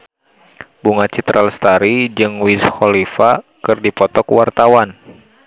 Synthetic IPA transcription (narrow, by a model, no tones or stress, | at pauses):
buŋat͡ʃit̪ɾʔalst̪aɾid͡ʒɨŋwisxɔlifakɨrdipɔt̪ɔkwart̪awan